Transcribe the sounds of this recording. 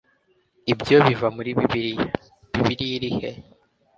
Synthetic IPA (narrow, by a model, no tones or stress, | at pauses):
ibjo̞βivamuɾiβii | βiβiɾiɾihe